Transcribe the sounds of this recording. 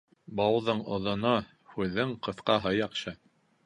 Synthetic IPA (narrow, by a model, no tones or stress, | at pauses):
bɑwðɤɴŏðŏno | hʉðɘŋqɤ̆θqɑɦɤjɑqɕɤ